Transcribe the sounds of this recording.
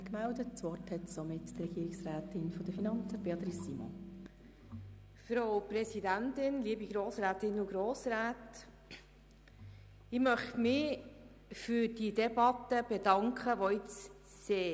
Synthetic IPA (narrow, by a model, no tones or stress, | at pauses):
kmældətsʋɔthɛtsomɪttɾɛɡ̥iːɾɪksʁæːtɪnfɔd̥əfinɑnt͡səb̥eɑt̪ɾisːimɔ̰n | fɾowpɾɛsidæntɪnliːbiɡɾoːsɾaːtɪnʊɡɾoːsɾaːt | ɪmœχtmɪ | fyːɾd̥idɛbɑtəb̥ed̥ɑŋkχəʋoɪt͡s | seː